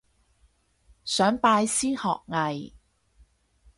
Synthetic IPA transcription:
sœː˨˥ŋpaː˧jsiː˥hɔ̰ː˨k̚ŋɐ˨j

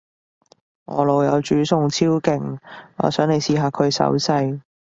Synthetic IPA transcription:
ŋɔ̰ː˨˧lo˨˩wjɐ˨˧wt͡ʃyː˨˥sʊ˨˧ŋt͡sʰiː˥wkɪ˨˩ŋɔ̰ː˨˧sœː˨˥ŋne˨˧jsiː˨ɦaː˨kʰɵ˨˧ɥsɐ̰˨˥wsɐ˧j

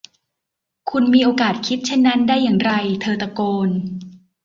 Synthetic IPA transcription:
kʰu˧nmiː˧ʔoː˧kaː˨˩t̪̚kʰi˦˥t̪̚t͡ɕʰe˥˩nːa˦˥ndaː˥˩jːaː˨˩ŋɾa˧jt̪ʰɤː˧t̪a˧koː˧n

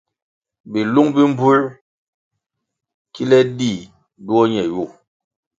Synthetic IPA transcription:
bi˨lu˦ŋbi˦m̩˦bu˦ɾ | ki˦lɛ˦di˦˨ | du˦ɔ˦ɲɛ˨ju˦˨

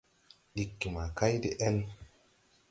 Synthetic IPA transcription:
ɗi˨kːi˨ma˨ka˦jdi˦ʔɛ˦n

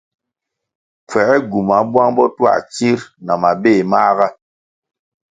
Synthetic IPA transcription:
p͡fɛ˨ɛ˦ɡu˨ma˨˦bwa˦ŋbɔ˦twa̰˦˨t͡ʃi˦ɾna˨ma˨beː˦˨ma˦ɣa˦

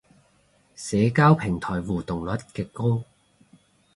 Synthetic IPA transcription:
sɛː˨˧kaː˥wpʰɪ˨˩ŋt̪ʰɔː˨˩jwuː˨t̪ʊ˨˩ŋlɐ˨˥t̚kɛː˧kːo˥w

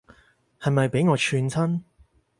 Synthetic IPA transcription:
hɐ˨jmɐ˨jpe˨˥jŋɔː˨˧t͡ʃʰyː˧nt͡sʰɐ˥n

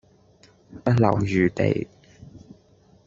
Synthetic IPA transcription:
pɐ˥t̚lɐ̰˨˩wjyː˨t̪ḛ˨j

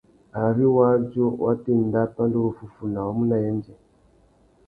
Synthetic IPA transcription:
a˨ɾi˦wa˦d͡ʒo˦wʔa˦ti˦˨nda˦ta˦ndo˦ɾu˨fu˦fu˨na˨wa˦mu˦na˨jɛ˦nd͡ʒɛ˨

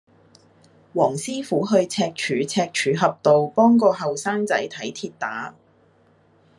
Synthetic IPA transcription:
wɔː˨˩ŋsiː˥fuː˨˥ɦɵ˧ɥt͡sʰɛː˧k̚t͡ʃʰyː˨˥t͡sʰɛː˧k̚t͡ʃʰyː˨˥ɦɐ˨p̚t̪o˨wpɔː˥ŋkɔː˧ɦɐ˨wsaː˥ŋt͡sɐ˨˥jt̪ʰɐ˨˥jt̪ʰiː˧t̚t̪aː˨˥

